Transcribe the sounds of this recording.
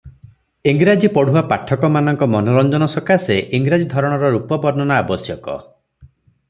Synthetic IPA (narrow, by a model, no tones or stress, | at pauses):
eŋɡɾad͡ʒipɔɽ̤uwapaʈʰːɔkɔmanɔŋkɔmɔnɔɾɔnd͡ʒɔnɔsɔkaseʔiŋɡɾad͡ʒid̪ʱɔɾɔɽ̃ɔɾɔɾupɔbɔɾnɔnaabɔsjɔkɔ̰